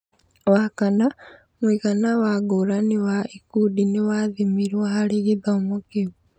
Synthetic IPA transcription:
wakana | mwikanawaɡuɾaniwaikudiniwaðimiɾwahaliɡiðaomukiβu

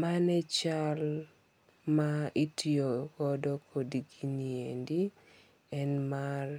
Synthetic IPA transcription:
manɛt͡ʃal | maitʰioɡɔdɔkʰodiɡiniendi | ɛnmar

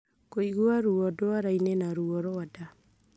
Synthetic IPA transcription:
koiɣwaɾuɔdoaɾainɛnaɾuɔɾoada

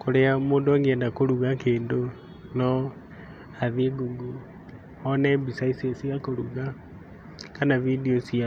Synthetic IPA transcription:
koɾeamoːndoaŋɡɛndakoɾuɣakeːndo | nɔ | aðiɡuɡu | ɔnɛbisaisesiakoɾuɣa | kanavidiosia

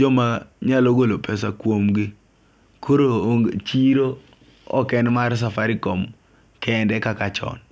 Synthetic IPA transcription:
d͡ʒɔmaɲaloɡolopʰɛsakwomɡɪ | kʰoɾoŋt͡ʃiɾo | ɔ̰kɛnmars̬afaɾikom | kɛndɛkakat͡ʃɔ̰n

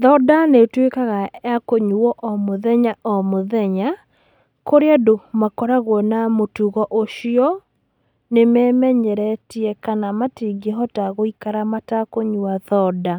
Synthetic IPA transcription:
ðɔdanetwekaɣajakoɲuɔʔɔmoðɛɲaɔmoðɛɲa | koɾeadomakɔɾaɣwɔnamotuɣɔʔoʃiɔ | nemɛːmɛɲɛɾɛtiɛkanamatiɡeɦɔtaɣoikaɾamatakoɲuaðɔda

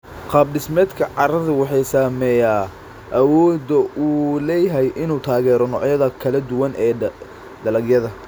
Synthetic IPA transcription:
qɑːb̚ɖɪsmɛːd̪kʰɐʕɑɾɐðʊwɑħɑjsaːmɛjaː | ʔɐwɔːd̪ɐʔuːlɛjɦɛjʔɪnuːt̪ʰaːɣɛːɾɔnɔ̰ʕjɐðɐkʰɐlɐd̪ʊwɐnʔɛː | d̪ɐlɐɡjɐðɐ

